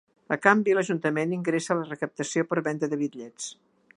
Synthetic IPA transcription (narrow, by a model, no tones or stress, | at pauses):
əkambiləʒunt̪əmeniŋɡɾesəːlərəkəp̚t̪əsiopəɾβɛnd̪əðəβit̪ʎɛt͡s